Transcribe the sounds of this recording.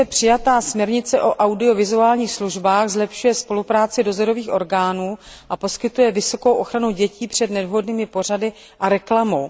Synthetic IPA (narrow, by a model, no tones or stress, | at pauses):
ɛpr̥ɪjat̪aːsmɲɛɾɲɪt͡sɛʔo̞ʔawdɪo̞vɪzuaːlɲiːxsluʒbaːxzlɛpʃujɛspo̞lupɾaːt͡sɪdo̞zoɾo̞viːxʔo̞ɾɡaːnuːʔapo̞skɪt̪ujɛvɪso̞ko̞wʔo̞xɾanuɟɛciːpr̝̥ɛdnɛdɦo̞dniːmɪpo̞r̝adɪ | ʔaɾɛklamow